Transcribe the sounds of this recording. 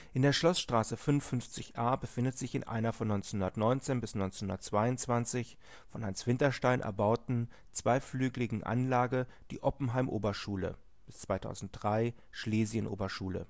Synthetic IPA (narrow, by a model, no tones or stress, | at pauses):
ʔɪndeːɐʃlɔsʃtʁ̥aːsəfʏnnfʏnft͡sɪçʔaːbəfɪndətz̥ɪçɪ̰nʔa̰ɪnɐfɔnːɔʏnt͡senʊndɐtnɔʏnt͡seːnbɪsnɔʏnt͡senhʊndɐtt͡sv̥aɪʊnt͡sv̥ant͡sɪç | fɔnhansv̥ɪntɐʃtaɪnʔɛ̰ɐbaʊtn̩ | t͡sv̥aɪflyːɡlɪɡŋ̩ʔa̰nlaːɡə | d̥ḭːʔɔpm̩ɦaɪmʔoːbɐʃuːlə̰ | b̥ɪst͡sv̥aɪtʰa̰ʊzn̩t̚d̥ʁaɪ | ʃleːzjənʔo̰ːbɐʃuːlə̰